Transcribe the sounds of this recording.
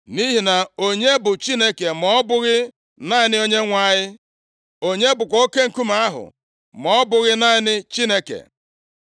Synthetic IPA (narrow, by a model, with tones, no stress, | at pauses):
ni˦ɦi˨na˨o˦ɲe˦bʊ˨t͡ʃi˦ne˦ke˨mɔ˦bʊ˦ɣɪ˦ | na˦ɲɪ˦nɪ˦o˦ɲe˦ŋʷa˦˨ɲɪ˦ | o˦ɲe˦bʊ˨k̬ʷɔ˦o˦ke˦ŋ̩˨ku˦ma˦ɦʊ̰˨ | mɔ˨˦bʊ˨ɣɪ˦na˦ɪ˦nɪ˦t͡ʃi˦ne˦kḛ˨